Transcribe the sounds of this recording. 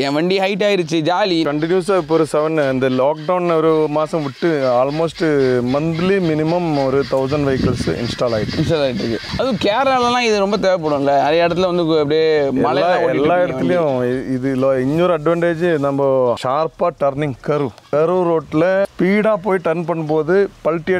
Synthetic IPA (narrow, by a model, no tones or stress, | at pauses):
ẽːʋɐɳɖiɦɐɪʈːaːjɪɾɯt͡ʃːɯd͡ʒaːlikɐɳʈɪnjuɐs̬aːɪpːoːɾɯsɐʋɐnːɐnd̪ɐlaːkɖɐʊnɔɾɯmaːsɐ̃mʋɪʈːɯaːlmoːsʈmɐnd̪limɪnɪmɐmɔɾɯt̪ɐʊs̬ɐɳɖʋɐjɪkɐlsʔɪ̰nsʈaːlaːjɪʈːɯɪnsʈaːlaːjɪʈːɾɯkːɯɐðʊ̃keːɾalɐlãːɪðɯɾɔmbɐt̪eːʋɐp̬oːɽɯʋãːŋɡɐɐðeːɪɽɐt̪̬ːɪlɐnd̪ɯkɐpːɐɽijemɐlɐːaːɛlːaːɛɽɐːɐlɐjʊ̃ɪðɯloɪɲːoːɾɐɖʋɐːɳɖeːd͡ʒnɐmbɐʃaːɾpaːʈɐɾnɪŋɡkɐɾɯkɐɾɯɾoːʈːɪlɐpiːɽaːpoːjiʈɐɾnpɐɳːɐpoːðɯpɐlʈːɪjɐ